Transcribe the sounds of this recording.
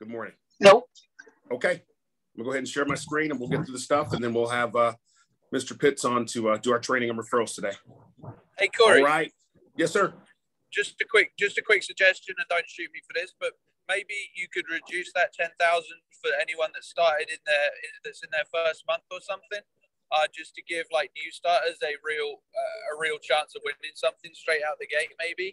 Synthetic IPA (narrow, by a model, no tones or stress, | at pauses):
ɡ̥ʊd̚mɔɹnɪ̃ŋ | no | oʊkʰeɪ | mɡoʊɦɛdⁿn̩ʃɛɹmaɪskɹĩnə̃nwilˠɡɛt̪̚θɹʉðəstʌfə̃nðɨ̃nwilˠəvʌ | mɪstə˞pʰɪtsn̩tʰɨʌdɨaʊə˞tʰɹ̥eɪ̃nɪ̃ŋãmɹəfɜ˞l̩ˠz̥tʰədeɪ | eɪkʰɔɹiɹaɪt̚ | jɛsɜ˞ | d̥ʒ̥ʌstɨkʰw̥ɪk̚d̥ʒ̥ʌstɨkʰw̥ɪksɨɡ̚d͡ʒɛst͡ʃɨ̃nə̃dõʊ̃ntʃʉˑt̚mifəðɪsb̥ʌt̚ | meɪbijɨkʰɨd̚ɹɨdʉˑsðɨtʰɛ̃nθaʊzɨ̃nd̥fə˞ɛniwʌ̃nðɨtstɑɹɾɪɾɨ̃nðə˞ɪðɨtsɨ̃nðə˞fɜ˞st̚mʌ̃nθə˞sʌ̃mθɪ̃ŋ | ʌd͡ʒʌstʰɨɡɪvlaɪk̚njʉstɑɹɾə˞zɨɹilˠʌəɹilˠt͡ʃʰæ̃nsʌvwɪ̃nɪ̃ŋsʌ̃mθɪ̃ŋstɹ̥eɪɾaʊt̪̚ðɨɡeɪʔ̚meɪbi